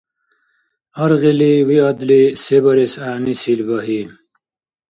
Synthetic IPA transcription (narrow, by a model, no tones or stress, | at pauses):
ɐɾɣiliwiɐd̪lisebɐɾesaːnisilbɐɦi